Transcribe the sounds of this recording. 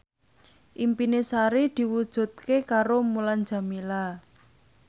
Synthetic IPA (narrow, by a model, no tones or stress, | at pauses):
ʔimpinesaɾid̪̥i̤wud̥ʒ̥ṳt̪̚kekaɾomuland͡ʒa̤mila